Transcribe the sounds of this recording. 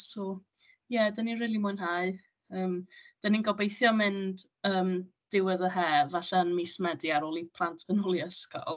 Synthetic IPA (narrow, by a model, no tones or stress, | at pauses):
sɔ | jɛdəninriːlˠimʊɨnɦaɨ | əːmd̥əninɡɔbejθjɔmɪnd̥ | əːm | d̥ɪwəðəɦɛvaɬanmiːsmɛdiaɾolˠipʰlˠantʰvənʊlˠiəskɔ̰lˠ